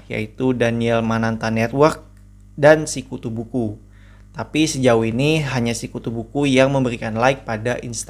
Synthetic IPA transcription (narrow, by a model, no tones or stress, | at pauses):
ja̰it̪udaniɛlmanant̪anɛt̪wərk̚ | dansikut̪ubuku | t̪apisəd͡ʒauiniɦaɲasikut̪ubukujaŋməmbəɾikanlaɪk̚padaʔinst̪